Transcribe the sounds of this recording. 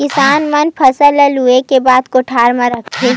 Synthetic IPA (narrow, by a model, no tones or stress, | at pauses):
kɪsaːnmɐnpʰɐsələluekebaːd̪koʈʰaːɾmãɾɐkʰeː